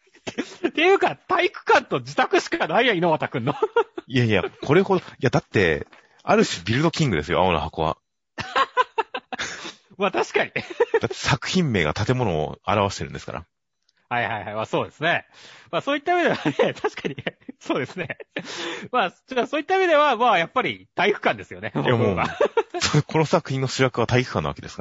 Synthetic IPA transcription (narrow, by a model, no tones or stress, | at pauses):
t̪e̞jɯ̟ːkat̪aikɯ̟̥kãnt̪o̞d͡ʑit̪akɯ̟ɕi̥kanaijainomat̪akɯ̟̃nːoiaija̰kʰo̞ɾe̞ho̞d̪oiad̪at̪ːe̞̰ | aɾɯ̟ɕibʲiɾɯ̟d̪o̞kʲĩŋɡɯ̟d̪e̞sɨjo̞̰a̰ona̰hako̞βa̰ | mat̪aɕi̥kaɲ̟id̪at̪ːesakɯ̟̥çĩmːe̞̰ːɡa̰t̪at̪e̞mo̞no̞̰ːa̰ɾaβaɕi̥t̪e̞ɾɯ̟nd̪e̞sɨ̥ka̰ɾa̰ | haihaihaimaːso̞ːd̪e̞sɨne̞maːsoːit̪ːaiɯbe̞d̪e̞βanet̪ʰaɕi̥kaɲ̟iso̞ːd̪e̞sɨne̞ | maːt͡ɕasoːit̪ːaibe̞d̪e̞βamaːjapːaɾʲit̪aiɸɯ̟̥kãnd̪e̞sɨjo̞ne̞jamoːɡasokʰo̞no̞sakɯ̟̥çʲĩnːo̞ɕiɾakɯβat̪aikɯ̥kːãnːa̰βa̰ke̞d̪e̞sɨ̥ka